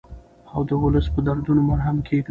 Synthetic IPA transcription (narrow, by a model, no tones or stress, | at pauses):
awd̪əʊləspəd̪aɾd̪unomaɾɦamkʰeɡ̪